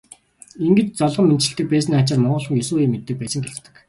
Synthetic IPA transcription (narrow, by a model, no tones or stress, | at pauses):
iŋɡɘ̆t͡ɕt͡sɔɮʁɞ̆ment͡ɕɪ̆ɬt̪ɘ̆k̚pæːs̬niːχat͡ɕărmɔɴɢɞ̆ɮχɞ̆ŋjɵsuːeːmːet̪ːɘ̆k̚pæːsə̆ŋɡeɮt̪ɘ̆k